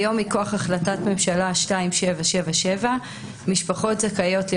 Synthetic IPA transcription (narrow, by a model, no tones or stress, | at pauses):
jo̞mikoaχaχlatatme̞mʃalaʃtaimʃe̞vaʃe̞vaʃeva | miʃpaχo̞tzakajo̞tl